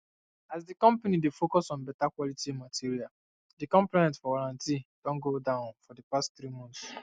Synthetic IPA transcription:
azdikɔ̃mpanidefokɔsɔ̃nbɛtakwɔlitiẽmatiɹial | dikɔ̃mplenɛ̃ntfɔwaɾãntid̥ɔ̃nɡodãʊ̃nfɔdipastt̪ɾimɔ̃nt̪s

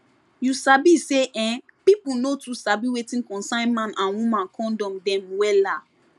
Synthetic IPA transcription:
jusabiseʔɛ̃ | pipunotusabiwetĩnkɔ̃nsãɪ̃nmãnʔãnwũmãnkʰɔ̃ndɔ̃mdɛ̃mwɛla

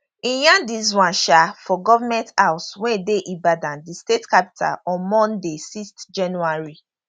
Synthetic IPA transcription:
ĩjãdiswãnʃafɔɡɔvamɛ̃ntawswɛ̃deʔibadãndistetkapi̥tʰa̰lɔ̃nmɔ̃ndesistd͡ʒãnuaɹi

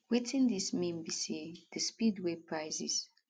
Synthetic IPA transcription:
wetʰĩndismĩmbiseðəspidwepʰɹaɪzḭz̥

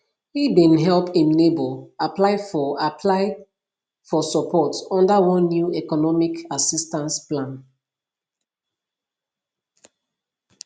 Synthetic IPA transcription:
hibĩnɦɛlpĩmneboaplaɪfɔapʰlaɪ | fɔsɔpʰɔtɔ̃ndawɔ̃nːjuɛkɔnɔmikasistãnsplãn

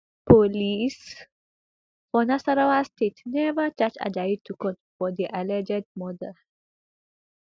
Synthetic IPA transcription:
pʰolis | fɔnasaɾawastʰetnɛvət͡ʃat͡ʃa̰dajd̚tʰukɔ̃ntfɔd̪iʔalɛd͡ʒɛd̚mɔdə

